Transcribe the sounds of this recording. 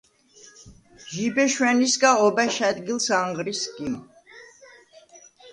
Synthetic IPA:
ʒibɛʃwɛnisɡaɔbɛʃɛd̪ɡilsaŋʁɾiskim

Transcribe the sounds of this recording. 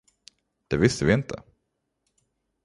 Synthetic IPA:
d̪̥ɛvɪst̪əvɪɪnt̪ʰə̰

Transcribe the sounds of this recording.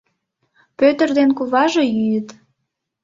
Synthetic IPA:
pøt̪ərd̪enkuβɑʒe̽jyjət̪

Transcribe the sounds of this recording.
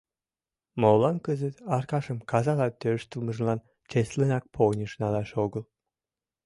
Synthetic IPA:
molɑnkəzət̪ɑrkɑʃəmkɑzɑlɑt̪øʃt̪əlməʒlɑn | t͡ɕeslənɑk̚pʰonʲəʃnɑlɑʃoɣəl

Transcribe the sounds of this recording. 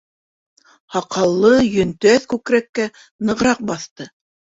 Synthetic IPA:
hɑqɑlˠːɤjɵ̆nt̪æθkʉkɾækːæ | nɤ̆ʁɾɑq̚bɑθt̪ɤ

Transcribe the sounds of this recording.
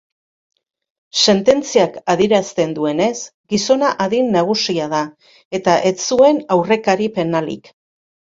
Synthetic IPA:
se̞nt̪e̞nt͡siakaðiɾast̪e̞nd̪ue̞ne̞sɡiso̞naʔaðinːaɣ̞usiaða | e̞t̪aʔe̞t͡sue̞nawre̞kaɾipe̞nalḭk

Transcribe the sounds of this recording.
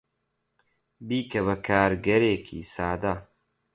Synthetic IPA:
biːkɐβɐkʰaːɾɡɐɾeːkʰḭːsaːd̪ɐ

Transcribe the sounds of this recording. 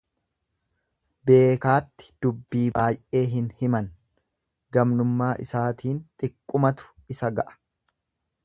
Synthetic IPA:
be̞ːkaːt̪ːɪ̥d̪̥ʊbːiːbaːjʔe̞ːɦɪnhɪmɐn | ɡɐmnʊmːaːʔɪ̰saːt̪ʰiːnt̪ʼɪkʼːʊmɐt̪ʊ̥ɪsɐɡɐʔɐ̥

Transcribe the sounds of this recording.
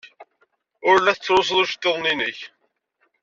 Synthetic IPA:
ʊɾlːæθət͡sːɾˤos̬ðˤʊʃt̪ːoðˤninəç

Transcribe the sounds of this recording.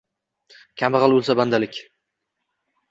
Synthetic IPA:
kʲʰamɨʁɑlˠɵlˠsaband̪alɪkʲ

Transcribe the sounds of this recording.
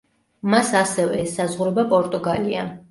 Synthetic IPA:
masasɛvɛɛsːazʁuɾɔbapʼɔɾt̪ʼuɡalia

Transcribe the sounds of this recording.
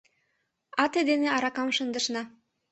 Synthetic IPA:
ɑt̪ed̪eneɑɾɑkɑmʃə̆nd̪ə̆ʃnɑ

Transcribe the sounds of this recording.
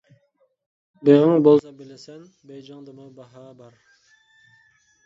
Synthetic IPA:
beʁəŋbolˠsɑbɪlɪsɛn | bejd͡ʒɑŋd̪ɨmɨbɑɦɑbɑɾ

